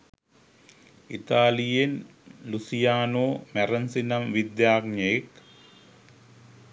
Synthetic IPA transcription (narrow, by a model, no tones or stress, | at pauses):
it̪aːlijenlusijaːnoːmerɐnsinɐmʋid̪jaːɡɲɐk